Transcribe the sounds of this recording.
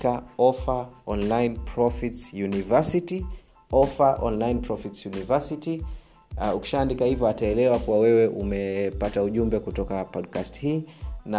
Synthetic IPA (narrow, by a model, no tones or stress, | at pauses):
kaɔfaɔnlainpʰɾɔfitsjunivasiti | ɔfaʔɔ̰nlainpɾɔfitsjunivasiti | uki̥ʃaːndikahivjɔataɛlɛwakuwawɛwɛʔumɛpatauʄumbɛkutɔkapɔdkasthiːna